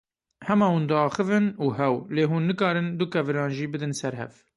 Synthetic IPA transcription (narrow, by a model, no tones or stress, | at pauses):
hɛmɑːhũːnd̪ɨɑːxɨvɨnuːɦɛwleːɦuːnːɨkɑːɾɨnd̪ukɛvɨɾɑːnʒiːbɨd̪ɨnsɛɾɦɛ̰v